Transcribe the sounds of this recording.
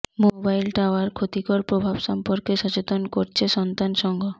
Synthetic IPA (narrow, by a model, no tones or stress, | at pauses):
mobajlʈaoaɾkʰot̪ikɔɾpɾobʱabʃɔmpoɾkeʃɔt͡ɕet̪onkoɾt͡ɕʰeʃɔnt̪anʃɔŋɡʱo